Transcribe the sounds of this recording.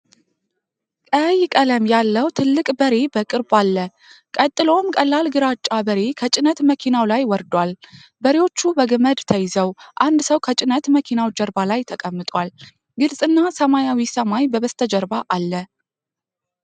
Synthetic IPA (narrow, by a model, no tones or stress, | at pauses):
kʼəjkʼələmjalːəwt̪ʰɨlːɨkʼbəɾe̞bəkʼɨɾbalːə | kʼət̪ʼːɨlo̞mkʼəlːalɡɨɾat͡ʃʼːabəɾe̞kʰət͡ʃʼɪnət̪məkʰinawlajwɔɾd̪wal | bəɾewo̞t͡ʃːubəɡəməd̪t̪ʰəjzəwʔand̪səwkʰət͡ʃʼɪnət̪məkʰinawd͡ʒəɾbalajt̪ʰəkʼəmːɨt̪ʼwal | ɡɨlsʼɨnːasəmajawisəmajbəβəst̪ʰəd͡ʒəɾbaʔalːə